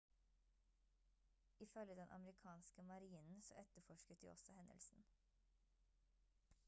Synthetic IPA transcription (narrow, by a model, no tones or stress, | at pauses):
iːfœləd̪ɛnʔɑ̰mɾɪkʰɑːnskəmɑɾiːnn̩so̰ːʔɛt̪əfɔʃkət̪̚d̪ḭːʔɔsɔhɛnə̰lsn̩